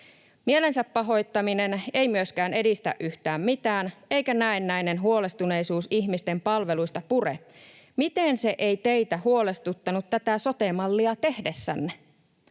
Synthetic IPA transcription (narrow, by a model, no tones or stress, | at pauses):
miele̞nsæpːɑɦo̞jt̪ːɑmine̞ne̞jmyøskæːne̞dist̪æ̰ʔʔyht̪æːmmit̪æːne̞jkænæenːæjnenɦuo̞le̞st̪une̞jsuːsiçmist̪e̞mpɑlʋe̞lujst̪ɑpure̞̰ | mit̪e̞nse̞ʔejt̪e̞jt̪æhuo̞le̞st̪ut̪ːɑnut̪t̪ːæt̪æso̞t̪emɑlːiɑt̪e̞hde̞sːæ̰nːe